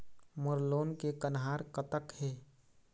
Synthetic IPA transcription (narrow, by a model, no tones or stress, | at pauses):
məɾloːnkekənɦaːɾkət̪əkheː